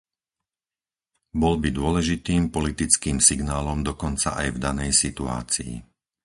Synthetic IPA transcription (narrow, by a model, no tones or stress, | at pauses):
bɔlbid̪ʊɔlɛʒit̪iːmpɔlit̪it͡skiːmsiɡnaːlɔmd̪ɔkɔnt͡sa̰ʔajvd̪anɛjsit̪ua̰ːt͡sḭː